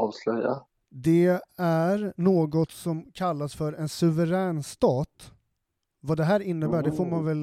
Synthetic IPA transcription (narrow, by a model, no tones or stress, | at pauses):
ɑːvslœja̰ | d̪ɛæɾnoːɡɔt̪sɔmkʰalːasfœɾɛnsɵvəɾɛːnst̪ɑːt̪ | vad̪ɛɦæːɾɪnːəbæːɖɛfoːɾmanvɛl